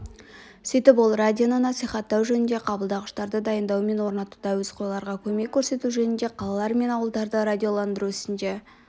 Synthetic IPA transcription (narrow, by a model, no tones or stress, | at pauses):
sijt̪ɪp̬wo̞lˠrad̪ʲionənɑsijχɑt̪ːɑwʒɵnɪnd̪e̞qʰɑbəlˠd̪ɑʁəʃt̪ɑɾd̪əd̪ɑjənd̪ɑwme̞nwo̞ɾnɑt̪u̥d̪ɑwɵz̥qʰojlˠɑɾʁɑkʲʰɵme̞kʲʰːɵɾse̞t̪uʒɵnɪnd̪eqʰɑlˠɑlˠɑɾme̞nɑwəlˠd̪ɑɾd̪əɾad̪ʲijo̞lˠɑnd̪əɾuɪsɪnd̪e̞